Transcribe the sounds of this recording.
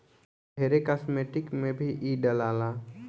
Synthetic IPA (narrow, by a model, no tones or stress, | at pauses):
eːɾekaːsmeːʈɪkmẽbʱiʔiːɖəlaːla